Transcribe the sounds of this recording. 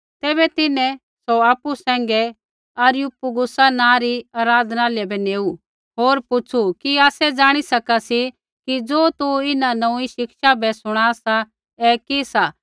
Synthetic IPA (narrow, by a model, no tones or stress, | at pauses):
t̪ɛːbɛt̪ɪnɛ̃ | soaːpusɛ̃ːŋ̆ɡɛ | ɐɾjupuɡʊsanãɾiaːɾaːd̪ʱnaaːlɛbʱɛneːu | ɦoːɾpʊt͡ʃʰukiaːsɛd͡zaːɽ̃isɐkasi | kid͡zoːt̪uɪnanɐũiʃɪkʃabɛsʊɽ̃asa | ɛkisa